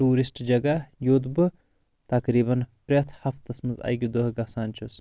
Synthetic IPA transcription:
ʈuːɾisʈd͡ʒɐɡajoːd̪bɨ | t̪ɐkɾiːbɐnpɾʲet̪ʰhɐft̪ːɐsmɐza̰jɡʲid̪oɦɡɐsaːnt͡ʃʰus

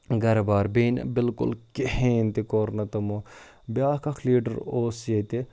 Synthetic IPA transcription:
ɡɐɾbaːɾbiːn̰bɪlkʊ̰lkeɦẽːnt̪ikoːɾnɐt̪ɐmo | bjaːkɐkʰliːɖəɾoːset̪e

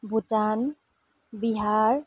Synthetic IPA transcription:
bʱutan | biɦaɹ

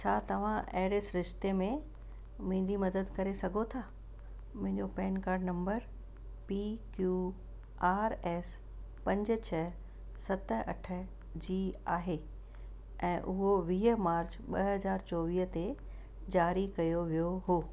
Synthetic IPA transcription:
t͡ɕʰaːt̪ɐʋ̤ãʔɐ̰ɦɪɽesɾɪʃt̪emẽ | mʊ̃ɦɪ̃ɲd͡ʑimɐd̪əd̪kɐɾesɐɡʱot̪ʰaː | mʊ̃ɦɪ̃ɲd͡ʑopɛːnkaːɾɖnɐ̃mbəɾ | pikjuː | aːɾɛːs | pɐ̃ɲd͡ʑə̆t͡ɕʰɐ | sɐt̪ə̆ɐ̰ʈʰə̆ | d͡ʑiːaːɦe | ɛ̃ːʔʊɦoʋiːɦəmaːɾd͡ʑɓɐɦɐzaːɾt͡ɕoːʋiːɦət̪e | d͡ʑaːɾikɐjoʋijoɦoː

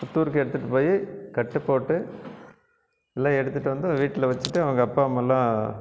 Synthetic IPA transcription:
pʊt̪ːuːɾɯkːɯɛɽɯt̪ːɯʈːɯpoːjikɐʈːɯpːoːʈːɯ | ɛlːãːɛɽɯt̪ːɯʈːɯʋɐnd̪ɯʋiːʈːɪlɐʋɐt͡ʃːɯɪʈːɯɐʋɐŋɡɐːpːaːɐmːɐɛlːãː

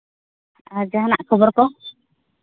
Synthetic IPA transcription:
aɾd͡ʒaɦanaʔkʰɔbɔɾkɔ

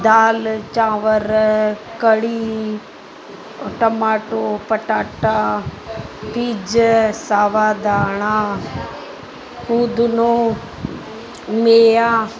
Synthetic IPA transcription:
d̪aːlt͡ʃãːʋəɾkəɽiː | ʈɐmaːʈoːpɐʈaːʈaː | piːd͡ʒsaːʋaːd̪aːɳ̃aː | kuːd̪unoː | meːjaː

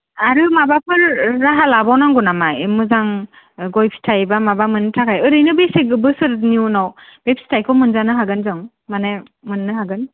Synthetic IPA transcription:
aɾɯmabapʰɯɾːaɦalabawnaŋɡunamajmɯzaŋ | ɡɔjpʰi̥tʰajbamabamɯntʰakʰajɯɾɯjnɯbeseɡɯbɯsɯɾniuwnawb̥ep̚stʰajkʰɔmɯnzanɯɦaɡɯnzɯŋ | mana | mɯnːɯhaɡɯn

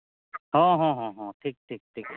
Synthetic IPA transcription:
ɦõɦõɦɔ̃ɦõʈʰiːk̚ʈʰiːk̚ʈʰiːk

